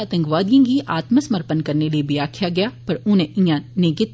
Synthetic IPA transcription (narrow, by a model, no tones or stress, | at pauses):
ət̪ə̃ŋkʋaːd̪ijãːɡiʔaːt̪məsəməɾpənkɐɾneliebʱiaːkʰjaɡɪjaːpɐɾʊnẽʔɪ̃jãneɡɪt̪